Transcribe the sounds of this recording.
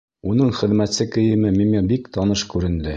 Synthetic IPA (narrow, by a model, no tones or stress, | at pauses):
un̪ɤɴχɘ̆ðmæt̪sɘkɘ̆jɘ̆mɘmimʲebikt̪ɑnɤʃkʉɾɘ̆nd̪ɘ